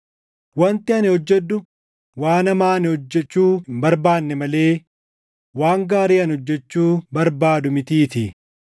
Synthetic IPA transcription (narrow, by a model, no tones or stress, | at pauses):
wɐnt̪ɪɐnɪhɔd͡ʒːɛd̪ːʊ | waːnɐmaːnɪhɔd͡ʒːɛt͡ʃːuːbɐɾbaːnːɛmɐle̞ː | waːŋɡaːɾiːɐnhɔd͡ʒːɛt͡ʃːuːbɐɾbaːd̪ʊmɪt̪iːt̪ɪ